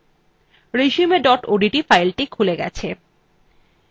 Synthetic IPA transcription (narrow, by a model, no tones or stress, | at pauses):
ɾeʃiumeɖɔʈoɖiʈifajlʈikʰuleɡɛ̰t͡ɕʰe